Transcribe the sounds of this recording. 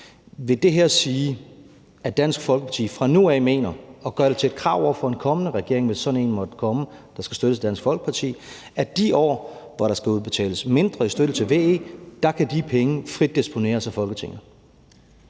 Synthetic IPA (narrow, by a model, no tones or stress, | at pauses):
ʋe̝d̥e̝ɦeɐsiː | æd̥æn̰sɡ̥fɒ̽lɡ̥əpʰɑt͡sʰḭːfʁɑ̈nuɛːme̝̰ːnɐɒ̽ɡ̥ɶɐɾ̥e̝t͡sʰe̝ːd̥kʰʁɑ̰̈ːʊ̰ɒʊ̰fɒ̽e̝nkʰɒ̽mənəʁɛɡ̥e̝ɐ̰e̝ŋʋe̝sːɒ̽d̥n̩e̝̰ːnmɒ̽d̥kʰɒ̽mə | d̥ɑ̈sɡ̥æsd̥øɾ̥əsʰed̥æn̰sɡ̥fɒ̽lɡ̥ə̥pʰɑ̈t͡sʰḭː | æd̥iɒ̰ːʋɒɾɑ̈sɡ̥æuðˠb̥e̝t͡sʰɛ̰ːləsme̝nd̥ʁɐisd̥øɾ̥ət͡sʰe̝lʋe̝̰ːe̝̰ːd̥ɑ̈kʰæd̥ipʰeŋəfʁid̥̚ːisb̥o̝ne̝̰ːɐsæfɒ̽lɡ̥ət͡sʰe̝ŋð